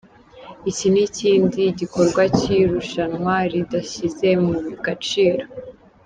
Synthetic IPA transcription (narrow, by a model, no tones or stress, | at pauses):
iciniciːndiɟiko̞ɾɡwaciɾuʃanŋwaɾidaɕize̞muβiɡat͡ʃiːɾo